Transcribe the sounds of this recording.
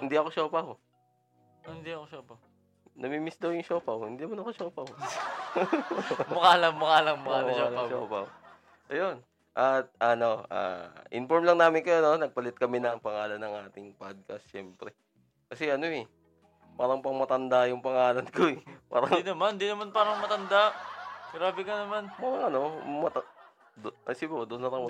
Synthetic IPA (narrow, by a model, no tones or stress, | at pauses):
hɪnd̪iʔɐko̞ʃoːpɐh | hɪnd̪iɐkoʃoːpɐ | nɐmimɪsd̪ɐwjʊŋʃoːpɐwhɪnd̪iːnɐmanɐko̞ʃoːpɐw | mʊkaːlɐŋmʊkaːlɐŋmʊalʃo̰ːpɐw | ʔɐjo̞n | ʔɐt̪̚ʔɐnoʔa̰ʔɪ̰nfoɹmlɐŋnaːmɪnkɐjononɐɡ̚pɐlɪt̪̚kɐmɛnɐŋpɐŋaːlɐnːɐŋʔaːt̪ɪŋpad̪̚kɐsʃɛmpɾɛ | kɐsɛʔɐno̞ɛ | paːɾɐŋpɐŋmɐt̪ɐnd̪ajʊŋpɐŋaːlɐnkoɛpa̰ːɾɐŋd̪inɐmand̪inɐmanpaːɾɐŋmɐt̪ɐnd̪aɡɾaːbɪkɐnɐmanmɐɾɐŋɐno̞mɐt̪ɐ | d̪ʔɐsibɐd̪ʊnːɐlɐŋmɐ